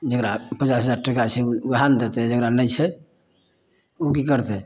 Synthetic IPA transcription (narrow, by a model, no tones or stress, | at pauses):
d͡ʒəkɾapət͡ʃasɦəd͡ʒaɾʈəkat͡ʃʰɛuband̪et̪ɛd͡ʒəɡɾanəjt͡ʃʰɛ | okikəɾt̪ɛ